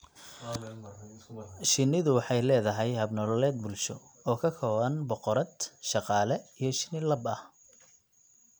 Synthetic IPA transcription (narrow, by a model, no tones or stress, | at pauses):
ʃɪnɪðʊwɑħɑjlɛːðɐɦɛjhɐbnɔllɛːd̪̚bʊlʃɔ | ɔːkʰɐkʰɔːβɐnbɔqɔɾɐd̪ʃɑqɑːlɛijɞʃɪ̥nɪlɐbɐh